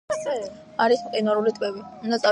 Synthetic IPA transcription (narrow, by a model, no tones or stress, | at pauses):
aɾismqʼinaɾulit̪ʼwɛbiund̪at̪sʼa